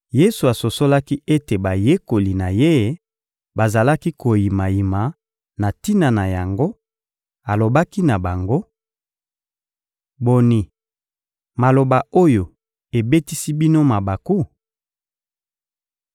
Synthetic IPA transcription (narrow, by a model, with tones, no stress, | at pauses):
je˦su˨a˨so˨so˦la˦ki˦ʔe˦te˨ba˨je˦ko˨li˨na˨je˦ | ba˨za˨la˦ki˦ko˨ji˨ma˨ji˨ma˨ | na˨ti˦na˨na˨ja˨ŋɡo˦ | a˨lo˨ba˦ki˦na˨ba˨ŋɡo˦ | bo˨ni˨ | ma˨lo˨ba˨o˦jo˨ | e˨be˦ti˦si˦bi˦no˦ma˨ba˨ku˦